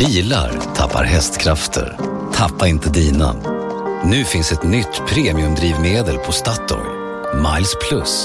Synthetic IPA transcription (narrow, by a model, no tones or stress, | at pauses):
b̥iːla̰ɾt̪ʰa̰pːa̰ɾɦɛst̪kʰɾaft̪ʰə̰ɾ | t̪ʰapːaɪnt̪ʰəd̪iːna̰ | nʉ̟ːfɪnsɛt̪nʏt̪ːpʰɾeːmɪɵmd̪ɾiːvmeːd̪əlpʰɔst̪at̪ːɔ̰ɾ | majlspʰlɵs